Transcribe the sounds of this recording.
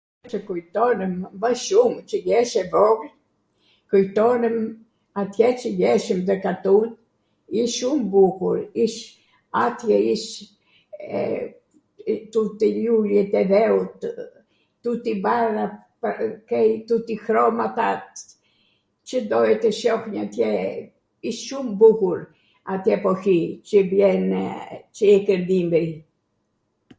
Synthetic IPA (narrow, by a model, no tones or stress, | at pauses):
t͡ʃəkujt̪ɔnəmbəʃumt͡ʃəjɛʃɛvɔɡl | kujt̪ɔnəm | at̪jɛt͡ʃəjɛʃəmd̪əkat̪ut̪ | iʃʃumbukuɾiʃ | at̪jɛiʃ | t̪ut̪ilulɛt̪ɛðɛut̪ | t̪ut̪ibaɾa | pkɛjt̪ut̪ixɾɔmat̪at̪ | t͡ʃəd̪ɔɦɛt̪əʃɔxɲat̪jɛ | iʃʃumbuhuɾ | at̪jɛpɔhit͡ʃəbjɛnt͡ʃəɛkəɾd̪imbɾi